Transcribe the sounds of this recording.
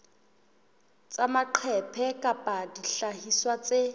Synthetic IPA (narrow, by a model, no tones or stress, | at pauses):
t͡samaǃʰɛpʰɛkʼapʼadiɬahiswat͡se